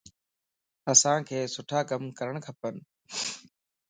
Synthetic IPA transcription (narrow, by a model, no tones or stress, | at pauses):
əsãːkʰeːsʊʈʰaːkəmkəɾəɽ̃kʰəpən